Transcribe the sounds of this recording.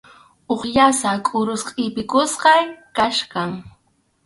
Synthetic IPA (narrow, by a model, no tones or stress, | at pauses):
oχjasakʼʊɾʊsqʼɪpɪkʊsqɑjkaʃkaŋ